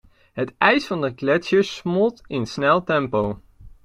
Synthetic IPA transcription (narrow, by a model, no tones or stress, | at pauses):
ɦətɛjsfɑndəklɛt͡ʃəsmʊlˠtɪnsnɛlˠtɛmpow